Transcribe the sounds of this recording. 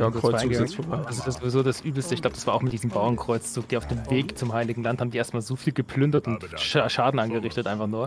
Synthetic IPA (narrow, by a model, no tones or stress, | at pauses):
ɡaɪɡəɡaŋəad̥asɪsjazovizoːdasʔyːbl̩stəɪçɡ̥laʊbə̥asv̥aɐʔʊxmɪt̚d̥iːzəmbaʊɐnkʁ̥ɔʏt͡st͡suːkd̥eːaʊfd̥eːmveːkt͡sʊmhaɪlɪɡŋ̩lanthaːm̩diːeɐstmaːlzoːfiːlɡəpʰlʏndɐtʊntʃaʃaːdn̩ʔanɡəʁɪçtətʔaɪnfaχnuːɐ